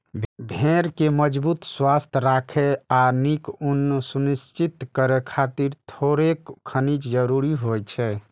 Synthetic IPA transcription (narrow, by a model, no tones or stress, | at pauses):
bʱeɾkeməd͡ʒbut̪swast̪ʰɾakʰɛanikunsunist͡ʃit̪kəɾɛkʰat̪iɾt̪ʰoɾekkʰənit͡ʃd͡ʒəɾuɾiɦojt͡ʃʰɛ